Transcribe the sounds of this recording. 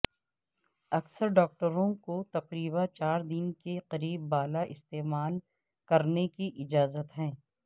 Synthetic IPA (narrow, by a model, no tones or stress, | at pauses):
ɐksəɾɖɔːk̚ʈəɾõkot̪ɐqɾiːbat͡ʃaːɾd̪ɪnkeqɐɾiːbːaːlaʔɪst̪eːmaːl | kɐɾnekiʔɪd͡ʒaːzət̪ɦɛ̃ː